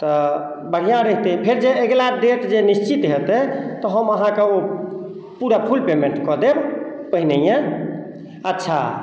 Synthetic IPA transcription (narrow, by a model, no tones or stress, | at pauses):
t̪ɔ | bəɽ̤ijãɾəɦit̪ɛĩpʰeɾd͡ʒeeɡlad̪et̪d͡ʒenist͡ʃit̪ɦet̪ɛt̪ɔɦəməɦãkeo | puɾapʰulpemeɳʈkɔd̪ebpəɦinejẽ | ətːʃʰa̰